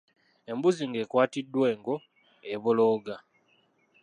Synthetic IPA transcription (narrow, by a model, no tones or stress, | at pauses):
e̞mbuziŋɡe̞kwaːtidːwe̞ːŋɡo̞ | eβoloːɡa